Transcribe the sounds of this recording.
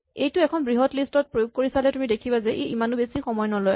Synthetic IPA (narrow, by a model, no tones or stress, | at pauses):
ejtʊɛkʰɔnbɹiɦɔtlistɔt̚pɹojuɡ̚koɹisalɛtumidekʰibazɛʔejimanubesixɔmɔjnɔloj